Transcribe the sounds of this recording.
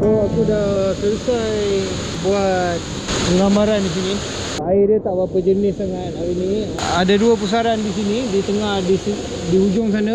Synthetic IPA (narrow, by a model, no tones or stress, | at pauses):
əakudahkəsaj | buat̪̚ | pəŋamaɾandis̬ini | aidət̪aʔbapəd͡ʒənɪsaŋat̪awiniadaduap̬us̬aɾandisinidit̪əŋahdisi | diɦud͡ʒʊŋs̬ana